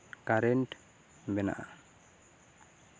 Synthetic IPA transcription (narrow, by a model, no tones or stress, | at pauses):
kaɾɛnʈ | bɛna̰ʔa